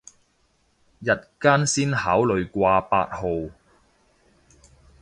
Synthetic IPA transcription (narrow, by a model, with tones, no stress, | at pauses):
jɐ˨t̚kaː˥nsiː˥nhaː˨˥wlɵ˨ɥkʷaː˧pa̰ː˧t̚ho˨w